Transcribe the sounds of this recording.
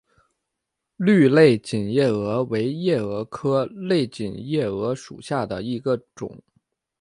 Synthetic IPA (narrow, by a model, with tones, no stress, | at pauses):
ly˥˧le˥˩ɪt͡ɕi˨˩njɛ˥˩ɤ˧˥we˧˥ɪjɛ˥˩ɤ˧˥kʰɤ˥le˥˩ɪt͡ɕi˨˩njɛ˥˩ɤ˧˥ʂṵ˨˩ɕja˥˩d̪ə˩i˧˥ɡə˧ʈ͡ʂʊ̰˨˩˦ŋ